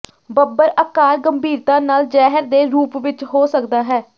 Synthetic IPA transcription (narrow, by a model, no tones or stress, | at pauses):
bəbəɾəkaːɾɡəmbʱiːɾt̪ãːnaːld͡ʒɛːɦəɾd̪eːɾuːpʋɪt͡ʃɦoːsəkd̪aːɦɛː